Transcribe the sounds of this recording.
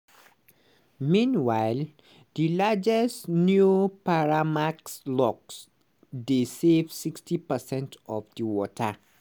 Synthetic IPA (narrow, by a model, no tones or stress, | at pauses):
mĩnwaɪl | dilad͡ʒɛsnjupaɹamakslɔks | desevsikstipəsɛ̃ntɔvdiwɔtʰə